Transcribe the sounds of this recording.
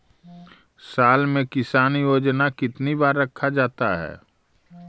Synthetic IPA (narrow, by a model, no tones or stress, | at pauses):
saːlmẽkɪsaːnijoːd͡ʒnakɪt̪nibaːɾːɐkʰːad͡ʒaːt̪a̰ɦɛ̰ː